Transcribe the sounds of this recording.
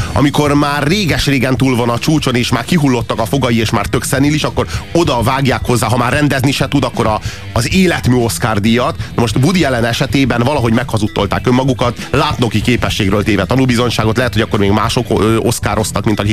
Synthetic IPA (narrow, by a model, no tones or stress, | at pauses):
ɒ̰miko̞rmaːrːeːɡɛʃreːɡɛnt̪uːlvɒnɒt͡ʃuːt͡ʃo̞neːʃmaːrkiɦulːo̞t̪ːɒkɒfo̞ɡɒjieːʃmaːrt̪ø̞ksɛniliʃɒkːo̞ɾo̞d̪ɒvaːɡjaːkho̞zːaːɦɒmaːrːɛnd̪ɛzniʃɛt̪ud̪ɒkːo̞ɾɒː | zeːlɛt̪myːo̞skaːrd̪ijɒt̪nmo̞ʃt̪bud̪iɛlɛnɛʃɛt̪eːbɛnvɒlɒɦo̞ɟmɛkhɒzut̪ːo̞lt̪a̰ːkømːɒɡukɒt̪laːt̪no̞kikeːpɛʃːeːɡrøːlt̪eːvɛt̪ɒnulbizo̞ɲʃaːɡo̞t̪lɛɦɛt̪ho̞ɟɒkːo̞rmeːɡmaːʃo̞køʔo̞skaːɾo̞st̪ɒkmint̪ɒkik